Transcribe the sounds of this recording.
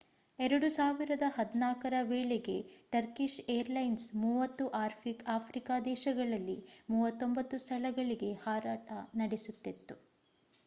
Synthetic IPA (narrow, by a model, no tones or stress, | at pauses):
ɛɾɐɽusaːʋiɾɐd̪ɐhɐd̪inaːkɐɾɐʋeːɭeɡe̞ʈɐɾkiʃeːɾlɐjnsmuːʋɐt̪ːuʔaːɾpʰikaːpʰɾikaːd̪ɛːʃɐɡɐɭɐlːḭmuːʋɐt̪ːo̞mbɐt̪ːust̪ʰɐlɐɡɐɭiɡe̞haːɾaːʈɐnɐɽesut̪ːet̪ːu